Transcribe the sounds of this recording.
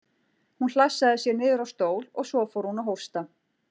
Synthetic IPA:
hunl̥asːaðɪsjɛɾnɪːðʏɾawst̪oːwlɔɣsɔfowɾhunaɦowr̥st̪a

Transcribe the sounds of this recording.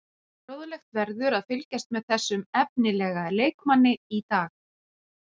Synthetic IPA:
ɾoːwðʏlɛxt̪vɛɾðʏɾaðfʏlcast̪mɛðθɛsːʏmɛp̚nɪlɛːɣaleːjkmanːɪit̪aːx

